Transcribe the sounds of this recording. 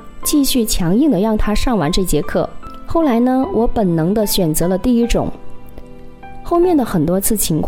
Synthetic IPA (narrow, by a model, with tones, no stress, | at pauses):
t͡ɕi˥˧ɕy˥˩t͡ɕʰjɑ˧˥ŋi˥˩ŋd̪ə˩ɻɑ˥˩ŋt̪ʰa˥ʂɑ˥˩ŋwa̰˧˥nʈ͡ʂɤ˥˩t͡ɕjɛ˥kʰɤ˥˩xo˥˩ʊla˧˥ɪnə˧wʔɔ˧˥pə˨˩nnɤ˧˥ŋd̪ə˧ɕɥɛ˨˩nt͡sɤ˧˥lə˧t̪i˥˩i˥ʈ͡ʂʊ̰˨˩˦ŋ | xo˥˧ʊmjɛ˥˩nd̪ə˩xə˨˩nt̪wɔ˥t͡sʰɹ̩˥˩t͡ɕʰi˧˥ŋkʰw